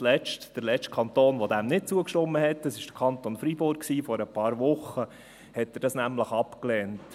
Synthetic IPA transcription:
lɛt͡ʃtd̥əɾlɛt͡st͡ʃt̚kʰɑnt̪oːnʋod̪æmnɪt̚t͡suəkʃtʊmːəhɛtːəsɪʃd̥əɾkʰɑntonfɾibʊɾk̚ksiːfɔɾəpʰɑːɾʋʊχə | hɛtːɛɾdɑsnæmləχɑpklɛːnt

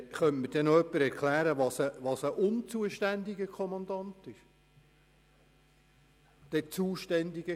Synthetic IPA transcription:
χœntməd̥ɛnoœpːəɾɛɾkʰlæːɾəʋɑsəʋɑsəʔʊnt͡suəʃtændiɡəkʰɔmɑnd̪ɑnt̪ɪʃ | d̥ɛt͡suːʃtɛndiɡ̥ə

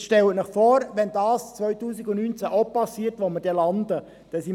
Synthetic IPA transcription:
ʃtɛlənɪχfɔːɾʋɛndɑːst͡sʋœʏtuːsiɡʊntnyːnt͡sæʔopɑsiːtʋoməɾd̥ɛlɑnd̪ə | d̥ɛsi

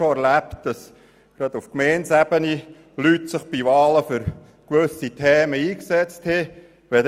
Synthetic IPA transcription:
oæɾlæptd̥ɑs | ɡ̥ɾɑd̪ufkmɛːnsæb̥əni | lytsɪχb̥iʋɑːləfʏɾ | kʋɵsitʰɛːməiːksɛt͡sthɪ | ʋɛd

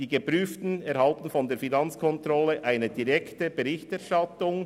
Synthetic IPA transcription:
d̥iːɡəpʁyːftn̩ɛɾhɑltn̩fɔndeːɾfinɑnt͡skʰɔntʁɔləʔaɪnəd̥iʁɛktəb̥əʁɪçtɛɐʁʃtɑtʊŋ

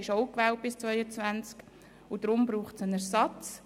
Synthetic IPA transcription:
ɪʃoʊkvɛːlt̚b̥ɪst͡svœʏət͡svænt͡sk | ʊd̥ɾʊmbɾuːχt͡sənɛɾsɑt͡s

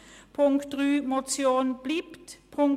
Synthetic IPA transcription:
pʰʊŋkt̪ʁyːmɔt̪sjoːnb̥lɪpt̪pʰʊŋ

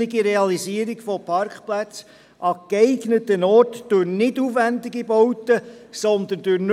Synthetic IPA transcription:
ɪɡiɾeɑlisiːəɾiɡfɔpʰɑɾkχplæt͡s | ʔɑkeɪɡnətənɔrtd̥øɾnɪdufʋænd̪ɪɡibɔwt̪əsɔnd̪əndʉɾn

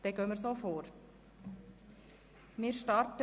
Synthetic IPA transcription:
d̥ɛɡøːməɾsoːfoːɾ | mɪːɾʃtɑɾtə

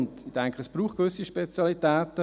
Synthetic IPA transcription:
ndd̥ɛŋkʰəəsb̥ɾuːχt̚kʋʏsiʃpɛt͡sjɑlitɛːt̪ə

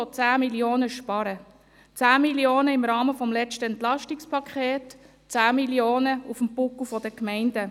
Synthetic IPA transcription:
ɔt͡saːmiljoːnəʃpɑɾə | t͡saːmiljoːnəɪmɾɑːməfɔmlɛt͡ʃtəɛntlɑʃtikspʰɑkʰχeːt | t͡saːmilioːnəufm̩pʊkufɔd̥əkmɛɪndə

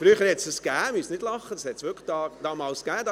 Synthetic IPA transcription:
fɾyːəχəɾhɛtsd̥əsɡ̥æːmysnɪd̥lɑχːəd̥ɑshɛtsʋʏkd̥ɑːd̥ɑːmɑːlskæːdɑ

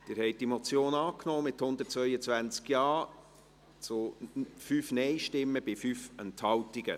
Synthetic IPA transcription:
d̥ɪːɾhɛɪt̚d̥imɔt͡sjoːnɑːknɔːmɪthʊnd̪ət̚t͡svœʏət͡svænt͡skjɑː | t͡sʊfyfnɛɪʃtɪmːəbɪfyfɛnthɑwtiɡ̥ə̰

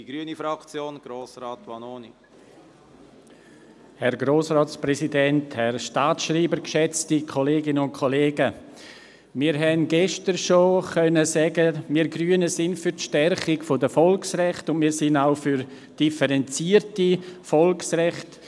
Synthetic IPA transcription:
d̥iɡ̥ɾyənifɾɑkt͡sjoːnɡ̥ɾoːsrɑːtʋɑnoːni | hɛɾɡɾoːsʁɔːtsprɛsidɛnthɛrʃtaːtʃriːbəɾkʃɛt͡stikʰoleːɡɪnəʊntkʰɔleːɡə | miːɾɦɛnɡɛʃtəɾʃoχœnəsɛɡəmiːɾɡryːənəsɪnfyɾtʃtɛrχɪkfodəfɔlksrɛχtʊnmiːɾsɪnaʊfyɾ | d̥ifəɾɛnt͡siərtifɔlksrɛχt

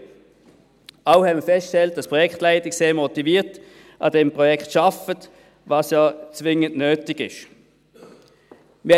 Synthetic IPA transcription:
aʊhɛmiəfɛstʃtɛlt̚d̥ɑspʁɔjɛkχtlaɪtɪkseːɐmɔtiviːʁt | ʔɑ̰dɛmpʁɔjɛktʃɑfət | vɑːsjat͡svɪŋəntnøːtɪɡɪ̰ʃ | mɪ

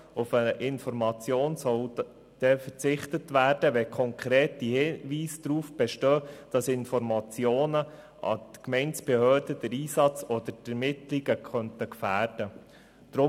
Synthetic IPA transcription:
ufəʔɪnfɔɾmɑt͡sjoːnsɔl | d̥ɛfəɾt͡sɪχtətʋæːrd̥əʋɛkʰɔŋkʰɾeːtihɪʋiːsd̥̪ɾuːfb̥ɛʃtøːd̥ɑsɪnfɔɾmɑt͡sjoːnə | ɑ̰tkmɛɪnt͡sb̥ehøːd̥əd̥əɾiːsɑt͡sɔd̥̪əɾdɛɾmɪt̪liɡəkʰχœntəkfæːrd̥ə | d̥̪ɾʊ

